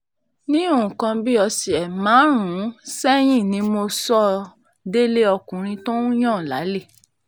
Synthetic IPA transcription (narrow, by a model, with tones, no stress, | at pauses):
nĩ˦o˦˨ũ˨kã˧bi˦ɔ˧si˨ɛ˨mãː˨˦ɾ̃ũ˨˦sɛ˦j̃ĩ˦˨nĩ˨˧˦mo˧sɔ˦ | de˦le˦ɔ˧kũ˨ɾ̃ĩ˧to˦ũ˦j̃ã˦˨la̰˨˦le˦˨